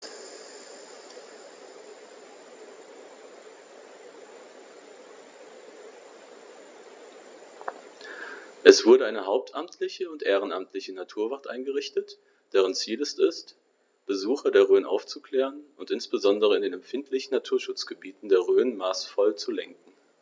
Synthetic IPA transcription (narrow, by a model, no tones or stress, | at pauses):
ʔɛsv̥ʊɐɾəaɪnəɦaʊp̚tʔamtʰlɪçəʊntʔeːʁ̞ənamtʰlɪçənatʰuːɐvaɐtʔa̰ɪnɡəʁɪçtət | d̥eːʁ̞ənt͡siːlɛstɪst | b̥əzuːχɐdeːɐʁøːnʔa̰ʊft͡sukl̥ɛːʁənʊntʔɪnsb̥əzɔndəʁəɪndeːnɛmfɪntʰlɪçn̩natʰuːɐʃʊt͡sɡ̥əbiːtn̩deːɐʁøːnmaːsfɔlt͡sulɛŋkŋ̩